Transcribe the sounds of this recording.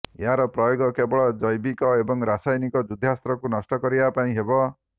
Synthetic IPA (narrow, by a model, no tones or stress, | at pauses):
eɦaɾɔpɾɔjoɡɔkebɔɭɔd͡ʒɔjbikɔebɔŋɾasajnikɔd͡ʒud̪ʱast̪ɾɔkunɔsʈɔkɔɾibapaĩɦebɔ